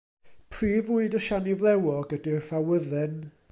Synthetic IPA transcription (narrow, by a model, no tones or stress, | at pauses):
pʰriːvʊɨdɔʃanɪvlˠɛwɔɡədɪrfawəðɨn